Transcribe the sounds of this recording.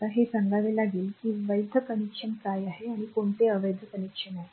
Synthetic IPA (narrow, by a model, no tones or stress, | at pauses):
aɦesəŋɡaʋelaɡiːlkiːʋəjd̪ʱəkənikɕənkajaɦeaɽ̃ikoɳt̪eəʋəjd̪ʱəkənikʂənaɦe